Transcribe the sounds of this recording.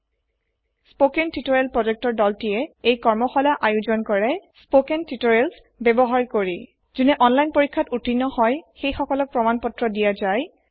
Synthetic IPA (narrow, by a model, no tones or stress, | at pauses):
spokentitoɹelpɹɔd͡ʒek̚tɔɹdɔltijɛejkɔɹmɔxɔlaʔajuzɔnkɔɹɛspokentitoɹels | bebɔɦaɹkoɹi | z̥unɛʔɔnlajnpoɹikʰːatutinːɔhɔjxejxɔkɔlɔk̚pɹɔmanpɔtɹɔdijazaj